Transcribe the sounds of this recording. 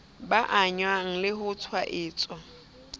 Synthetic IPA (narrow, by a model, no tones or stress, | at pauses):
baʔaɲwaŋ̩lɪɦʊt͡sʰwaʔɪːt͡sʼwa